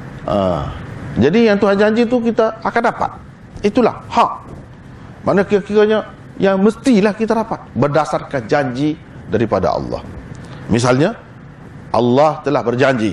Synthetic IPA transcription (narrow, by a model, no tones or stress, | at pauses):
ʔa̰ | d͡ʒadijaŋt̪uɦand͡ʒaɲd͡ʒit̪ukit̪aːkandapa̰t̪̚ | it̪ula̰hhaʔ̚ | mʔanakiakikaɲa | jaŋməst̪ilahkit̪adapat̪̚bərdasarkand͡ʒaɲd͡ʒi | daɾipada̰ɑ̰lːɑ̰hmis̬alɲa | ʔɑlːɑht̪əlahbərd͡ʒaɲd͡ʒi